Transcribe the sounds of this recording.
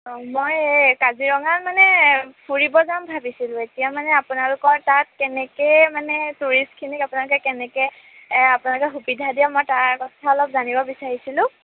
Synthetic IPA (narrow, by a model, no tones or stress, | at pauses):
mojkaziɹɔŋatmanɛpʰuɹibɔzambʱabisilʊ̃etijamanɛapʊnalʊkɔɹtat̚kɛnɛkɛmanɛtuɹistkʰinikapʊnalʊkɛkɛnɛkɛ | apʊnalʊkɛxubidʱadijamɔjtaɹkɔtʰaɔlɔp̚zanibɔbisaɹisilʊ̃